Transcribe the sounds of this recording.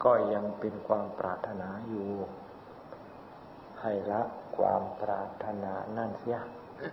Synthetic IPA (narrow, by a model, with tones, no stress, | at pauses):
kɔː˥˩ja˧ŋpe˧nkʰwaː˧mpɾʔa̰ː˧˩t̪ʰːa˧naː˨˧˦juː˨˩ | ha˧˨˩jla˦˥ʔkʰwa̰ː˧mpɾaː˧˩t̪ʰːa˧naː˧naː˥˩nsi˦˥˩a